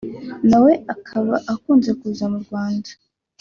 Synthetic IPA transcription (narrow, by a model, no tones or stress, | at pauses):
nawe̞akʰaβaʔakuːnze̞kuːzamuɾɡwaːndḁ